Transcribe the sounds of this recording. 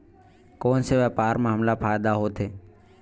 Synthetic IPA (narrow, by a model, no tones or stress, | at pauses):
koːnseʋəːpaːɾmãːɦəmlapʰaːjd̪aɦoːt̪ʰeː